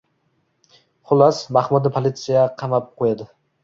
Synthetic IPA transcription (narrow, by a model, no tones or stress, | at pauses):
χʊlˠasmaχmʊd̪ɪpʰolˠɪt̪sijaqʰɑmap̚qʰojad̪ɪ